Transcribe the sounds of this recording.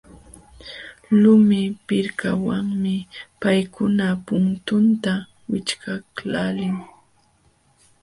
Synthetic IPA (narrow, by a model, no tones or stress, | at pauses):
lʊmɪpɪɾkawaŋmɪpajkʊnapʊnt̪ʊnt̪a | wɪt͡ʃkaklalɪŋ